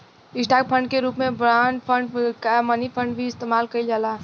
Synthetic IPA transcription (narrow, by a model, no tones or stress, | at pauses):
ɪsʈaːk̚pʰə̃ɳɖkeɾuːpmẽbɾaːnɖpʰə̃ɳɖkamənipʰə̃ɳɖbʱiɪst̪eːmaːlkəid͡ʒaːlaː